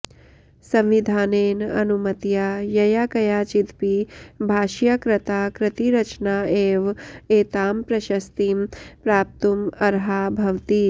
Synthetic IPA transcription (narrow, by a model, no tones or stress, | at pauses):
sɐ̃mʋid̪ʱaːneːnɐ̰numɐt̪jaːjɐjaːkɐjaːt͡ʃit̪pibʱaːʃjakɾɐt̪aːkɾɪt̪iɾɐt͡ʃnaːeːʋeːt̪aːmpɾɐʃɐst̪impɾaːp̚t̪umɐɾɦaːbʱɐʋt̪i